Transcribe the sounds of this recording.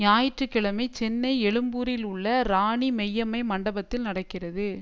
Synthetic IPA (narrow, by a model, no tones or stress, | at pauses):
ɲaːjɪʈrɯkːɪɭɐmɐɪt͡ʃɛnːɐɪɛɭɯmbuːɾɪlʊɭːɐɾaːɳimɛjːɐmɐɪmɐɳɖɐbɐt̪ːɪlnɐɽɐkːɪrɐðɯ